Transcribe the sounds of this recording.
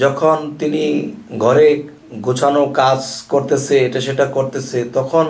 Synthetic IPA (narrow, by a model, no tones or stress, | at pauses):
d͡ʑɔkʰont̪iniɡʱɔɾe | ɡʱot͡ɕʰanokad͡ʑkoɾt̪et͡ɕʰeeʈaʃeʈakoɾt̪et͡ɕʰet̪ɔkʰon